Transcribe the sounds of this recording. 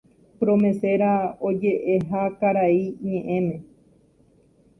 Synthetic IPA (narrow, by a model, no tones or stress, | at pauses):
pɾõmẽ̞se̞ɾaod͡ʒeʔeɦakaɾaiɲẽ̞ʔẽ̞mẽ̞